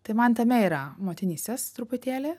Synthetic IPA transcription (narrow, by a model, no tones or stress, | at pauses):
t̪ɐɪmɐnt̪ɐmʲɛiːɾɐmoːt̪ʲɪnʲiːsʲt̪ʲest̪ɾupʊt̪ʲeːlʲeː